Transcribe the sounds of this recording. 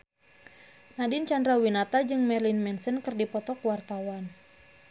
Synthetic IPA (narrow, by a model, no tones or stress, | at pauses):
nadint͡ʃandɾawinat̪ad͡ʒɨŋmɛrlinmɛnsənkɨrdipɔt̪ɔkwart̪awan